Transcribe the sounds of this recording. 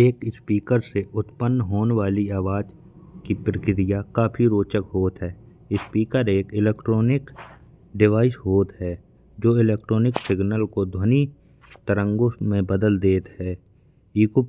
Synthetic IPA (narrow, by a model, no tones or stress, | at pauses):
eːkspiːkəɾseʔʊt̪pənːɦoːneʋaːliaːʋaːd͡ʒ | kipɾɪkɪɾɪjakaːpʰiɾoːt͡ʃəkɦoːt̪ɦɛː | ɪspiːkəɾeːkɪleːkʈɾoːnɪk | ɖɪʋaːɪsɦoːt̪ɦɛː | d͡ʒoːɪleːk̚ʈɾoːnɪksɪɡnəlkod̪ʱwəni | t̪əɾə̃ŋɡõmẽbəd̪əld̪eːt̪ɦɛː | iːk